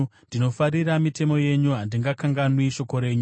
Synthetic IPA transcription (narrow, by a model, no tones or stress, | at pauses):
ndino̞faɾiɾamite̞mo̞je̞ɲuɦandiŋɡakaŋɡanwiʃo̞ko̞ɾe̞ːɲu